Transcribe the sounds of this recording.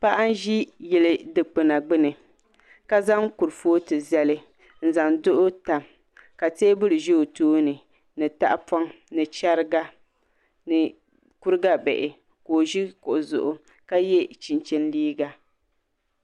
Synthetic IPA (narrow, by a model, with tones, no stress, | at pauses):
pa˦ʔa˦n˦ʒi˦jɛ˦lɨ˦dɨ˨k͡pɨ˨na˨ɡ͡bɨ˦nɨ˨ | ka˦za˦ŋku˨ɾfoː˦tɨ˨zɛ˦lɨ˦ | n̩˦za˨ndʊ˦ʔʊ˦ta˨m | ka˨teː˦bɨ˦ɾɨ˨ʒi˦o˨toː˦nɨ˨ | nɨ˨ta̰˦ʔpɔ˦ŋ | nɨ˨t͡ʃa˦ɾɨ˦ɡa˦ | nɨ˨ | ku˦ɾɨ˦ɡa˦bɛ̰˨ʔɪ˨ | koː˨ʒi˦kʊ˨ʔʊ˨zʊ̰˨ʔʊ˨ | ka˦jɛ˦t͡ʃi˨nt͡ʃɛ˦n˦liː˦ɡa˨